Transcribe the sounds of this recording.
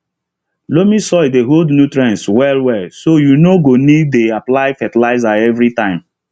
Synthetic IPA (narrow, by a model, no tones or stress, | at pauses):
lomisɔɪdeɦoldnutɹiãnswɛlwɛsojunoɡonid̚eaplaɪfɛtlaɪzaɛvɾitãɪ̃m